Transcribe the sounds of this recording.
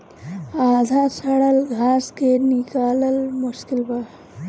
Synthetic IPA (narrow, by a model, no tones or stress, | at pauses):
ad̪ʱasəɽəlɡʱaskenikaləlmuskilbə